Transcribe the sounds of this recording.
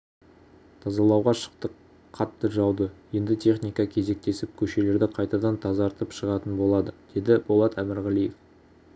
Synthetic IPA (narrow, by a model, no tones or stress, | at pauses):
t̪ʰɑzɑlˠɑwʁɑʃə̥qt̪ə | qʰːɑt̪ːəʒɑwd̪əje̞nd̪ɪt̪ʰe̞χnijkɑkʲʰe̞ze̞k̚t̪e̞sɪp̚kʲʰɵʃe̞le̞ɾd̪ɪqʰɑjt̪ɑd̪ɑnt̪ʰɑzɑɑɾt̪əpʃəʁɑt̪ənbo̞lˠɑd̪əd̪̥e̞d̪ɪbolˠɑt̪æmɪɾʁælije̞f